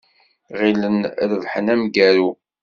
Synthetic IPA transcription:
ʁilənɾəvħənæmɡæɾu

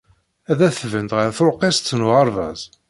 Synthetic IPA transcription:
æðæθvənt̪ʁəɾθɾqest͡sːnuʁɑɾˤvæ̰z

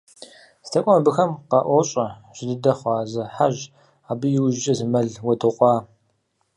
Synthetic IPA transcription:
stʰɐkʷʼɔmɐbɨxɐmqɑːʔʷɔɕʼɐʒ̥ɪdɨdɐχʷɑːzɐħaʒ | aːbɨjɪwʒt͡ʃʼɐzɨmɐɮwɐdʰɨqʷʼɑː

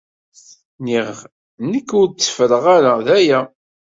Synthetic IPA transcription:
niʁ | nəkːʊɾt͡sːə̥fəɾəʁaɾæðæjæ

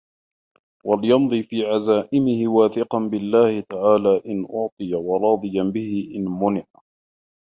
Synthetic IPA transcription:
wʔalɪjɑnd̪ˤiːfiːʕazaːʔɪmɪhɪwaːθɪqɑnbɪlːaːhɪt̪aʕaːlaːʔɪnʔʊʕt̪ˤɨjawɑɾˤɑːd̪ˤɨjanbɪhɪʔɪnmʊnɪʕ

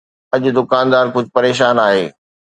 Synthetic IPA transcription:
ɐʄʊd̪ʊkaːnd̪aːɾkʊd͡ʑʱɪpɐɾeːʃ̬aːnaːɦeː

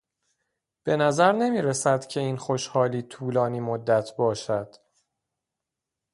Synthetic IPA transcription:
b̥e̞næzæɾne̞miːɾesæd̪̥cʰeiːnxoʃhɒːliːt̪ʰuːlɒːniːmod̪ːæt̪ʰbɒːʃæd̪̥

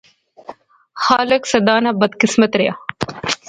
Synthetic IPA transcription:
xaːlɐksɐd̪aːnabɐd̪qismɐt̪ɾeja

